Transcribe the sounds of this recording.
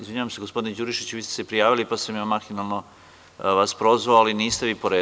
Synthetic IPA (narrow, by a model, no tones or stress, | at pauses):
izʋiɲaʋamseɡospo̞d̪ined͡ʑuɾiʃit͡ɕuʋiːst̪esepɾijaːʋilipasamjaːmaxinalˠno̞ | ʋaspɾo̞zʋaoaliniːst̪eʋiːpo̞ɾeː